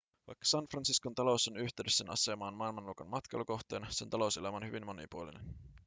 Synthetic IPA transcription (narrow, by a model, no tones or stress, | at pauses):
ʋɑ̰jkːɑ̥sɑnfrɑnsiskont̪ɑlo̞sonyçt̪ˑeɥdesːenɑ̰se̞mɑːnmɑːlmɑnluːkɑnmɑt̪kɑ̰jlːoko̞xt̪eːnɑse̞nt̪ɑlo̞uselæmæonhyʋinmːo̞nḭpuolinḛn